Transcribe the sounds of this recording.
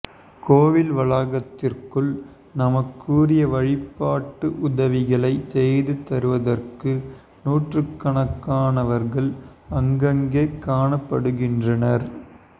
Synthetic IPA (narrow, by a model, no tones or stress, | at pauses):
koːʋɪlʋɐɭaːɣɐt̪ːɪrkɯɭ | nɐmɐkːuːrɪjɐʋɐɻɪpːaːʈːɯʔʊðɐʋɪɣɐɭɐɪsɛjðɯt̪ɐɾɯʋɐðɐrkɯ | nuːʈrɯkːɐɳɐkːaːnɐʋɐɾɣɐɭɐŋɡɐŋɡeːkaːɳɐpːɐɽɯɣɪndrɐnɐɾ